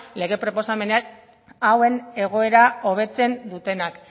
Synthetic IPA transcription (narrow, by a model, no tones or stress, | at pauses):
le̞ɣe̞pɾo̞po̞same̞nea | awe̞ne̞ɣ̞o̞e̞ɾao̞β̞e̞t͡se̞nd̪ut̪e̞nak